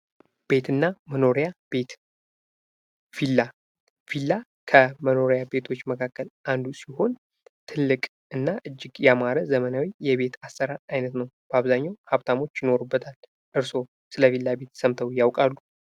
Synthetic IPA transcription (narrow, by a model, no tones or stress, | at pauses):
b̥e̞t̪ʰɨnːaməno̞ɾjabe̞t̪ | filːa | filːa | kʰəməno̞ɾjabe̞t̪ʰo̞t͡ʃːməkʰakːəlʔand̪usiho̞n | t̪ʰɨlːɨkʼ | ɨnːaʔɨd͡ʒːɪɡjamaɾəzəmənawijɛβe̞t̪ʰasːəɾat̪ajnət̪nəwb̥aβzaɲːawhaβt̪ʰamo̞t͡ʃːjɪno̞ɾubːət̪ʰal | ʔɨɾso̞ | sɨləfilːabe̞t̪səmt̪ʰəwjawkʼalːu